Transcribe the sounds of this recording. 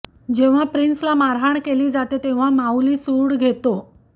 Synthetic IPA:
d͡ʑeʋ̤apɾinslamaɾɦaɳkeliːd͡zat̪et̪eʋ̤amawliːsuːɽɡʱet̪o

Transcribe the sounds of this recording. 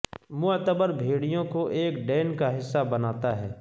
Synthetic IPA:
mʊt̪əbəɾbʱeːɽijõkoʔeːkɖɛːnkaɦɪsːabɐnaːt̪aɦɛː

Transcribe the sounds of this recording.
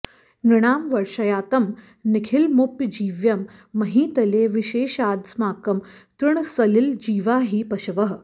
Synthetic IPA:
nɾɪɽ̃aːmʋɐɾʃɐjaːt̪ɐm | nikʰilmupjd͡ʑiːʋjɐmːɐɦĩːt̪ɐleːʋiʃeːʃaːd̪smaːkɐmt̪ɾɨɳsɐlild͡ʑiːʋaːɦiːpɐʃɐʋɐɦ

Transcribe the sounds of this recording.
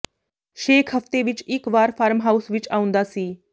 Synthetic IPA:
ʃeːkʰɦəft̪eːʋɪt͡ʃɪkʋaːɾpʰaːɾmɦaːusʋɪt͡ʃaːʊ̃nd̪aːsiː

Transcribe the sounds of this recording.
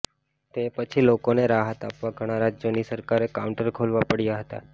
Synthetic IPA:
t̪epət͡ʃʰiːlokoneɾaɦət̪apʋaɡʱəɽ̃aɾad͡ʒəniːsəɾkaɾekauɳʈəɾkʰolʋapəɽijaɦət̪a̰

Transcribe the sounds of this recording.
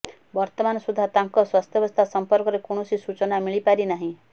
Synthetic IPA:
bɔɾt̪ɔmanɔsud̪ʱːat̪aŋkɔswast̪ʰjɔbɔst̪ʰasɔmpɔɾkɔɾekuɽ̃ɔsisut͡ʃɔnamiɭipaɾinaɦĩ

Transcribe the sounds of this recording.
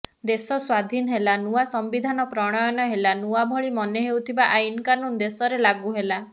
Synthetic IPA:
d̪esɔswad̪ʱinɔɦelanuwasɔmbid̪ʱanɔpɾɔɽ̃ɔjɔnɔɦelanuwabʱɔɭimɔneɦewt̪ʰibaʔainkanund̪esɔɾelaɡuɦela

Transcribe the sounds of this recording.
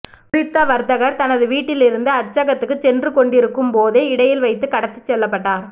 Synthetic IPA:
pɾɪt̪ːaːʋɐɾt̪ɐɣɐɾt̪ɐnɐðɯʋiːʈːɪlɪɾɯnd̪ɯɐt͡ʃːɐɣɐt̪ːɯkːɯt͡ʃɛndrɯkɔɳɖɪɾɯkːɯmpoːðeːɪɽɐjɪlʋɐɪt̪ːɯkɐɽɐt̪ːɯ̥t͡ʃːɛlːɐpːɐʈːaːɾ

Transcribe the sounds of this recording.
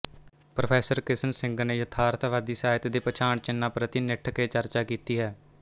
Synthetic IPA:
pɾoːpʰɛːsəɾkɪsənsɪ̃ŋɡneːjət̪ʰaːɾt̪ʰʋaːd̪iːsaːɪt̪d̪eːpət͡ʃʰaːɳt͡ʃɪnːãːpɾət̪iːnɪʈʰkeːt͡ʃəɾt͡ʃaːkiːt̪iːɦɛː

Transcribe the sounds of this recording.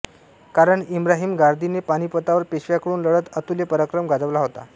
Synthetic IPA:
kaɾəɳimɾaɦiːmɡaɾd̪ʱinepaɽ̃ipət̪aʋəɾpeɕʋjakəɾuːnləɽət̪ət̪ulepəɾakɾəmɡad͡zəʋlaɦot̪a̰

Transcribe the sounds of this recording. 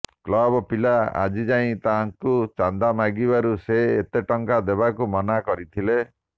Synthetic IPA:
klɔbɔpilaa̰d͡ʒid͡ʒaĩt̪aɦaŋkut͡ʃand̪amaɡibaɾuseːt̪eʈɔŋkad̪ebakumɔnakɔɾit̪ʰile

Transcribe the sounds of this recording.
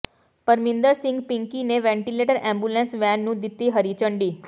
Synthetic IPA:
pəɾmind̪əɾsɪ̃ŋɡpiŋkineʋɛ̃ɳʈileʈəɾɛ̃mbulẽnsʋɛnːũd̪it̪ːiɦəɾit͡ʃəɳɖi

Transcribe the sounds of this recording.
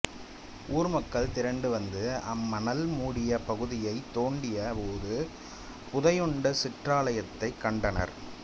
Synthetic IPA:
ʔuːɾɯmɐkːɐɭt̪ɪɾɐɳɖɯʋɐnd̪ɯɐmːɐnɐlmuːɽɪjɐpɐɣɯðɪjɐɪt̪ːoːɳɖɪjɐpoːðɯ | pʊðɐjɔɳɖɐsɪʈraːlɐjɐt̪ːɐɪkːɐɳɖɐnɐ̰ɾ

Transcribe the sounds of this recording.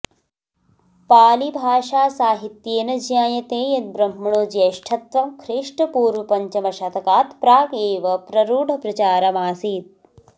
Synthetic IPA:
paːlibʱaːʃaːsaːɦit̪jeːnɐd͡ʒjaːjɐt̪eːjɐt̪̚bɾɐm̤ːɐɳoːd͡ʒeːʃʈʰɐt̪ʋɐmkʰɾiːʂʈɐpuːɾʋɐpɐɲt͡ʃɐmɐʃɐt̪ʰɐkaːt̪pɾaːkeːʋɐpɾɐɾuːɖʱɐpɾɐt͡ʃaːɾɐmaːsiːt̪̚

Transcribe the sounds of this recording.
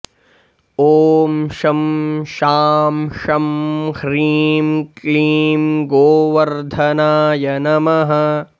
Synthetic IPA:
oːmʃɐmʃaːmʃɐmhɾiːmkliːmɡoːʋɐɾd̪ʱɐnaːjɐnɐmɐɦɐ

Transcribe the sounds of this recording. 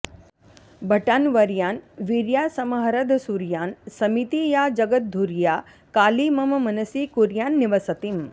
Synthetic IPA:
bʱɐʈaːnʋɐɾjaːnʋiɾjaːsɐmɐɦɐɾɐd̪ʱsuɾjaːnsɐmit̪ijaːd͡ʒɐɡɐt̪̚d̪ʱuɾjaː | kaːlimɐmɐmɐnɐsikuɾjaːnːiʋɐsɐt̪im

